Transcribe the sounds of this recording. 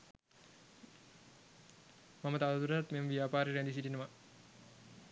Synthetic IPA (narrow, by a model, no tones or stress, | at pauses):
mamət̪aʋət̪uɾət̪at̪meməʋijaːpaːɾeɾænd̪isiʈinəʋa